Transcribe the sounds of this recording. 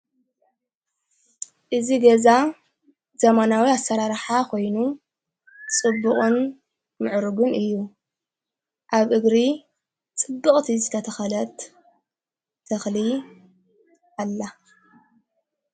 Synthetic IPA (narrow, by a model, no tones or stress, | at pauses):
ʔɨziɡɐza | z̥ɐmanawiasːɐɾaɾħakʰo̞jnu | t͡sʼɨbːuχʼɨn | mɨʕɾɨɡunʔɨjːu | ʔaβʔɨɡɾi | t͡sʼɨbːɨkʼt̪ʰizɨt̪ʰɐt̪ʰɐxɐlɐt̪ | t̪ʰɐxli | alːa